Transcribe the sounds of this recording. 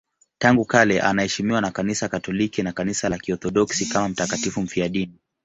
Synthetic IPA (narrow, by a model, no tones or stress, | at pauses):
taŋɡukalɛʔa̰nahɛʃimiwanakanisakatɔlikinakanisalakiɔθɔɗɔksikamam̩takatifum̩fiaɗini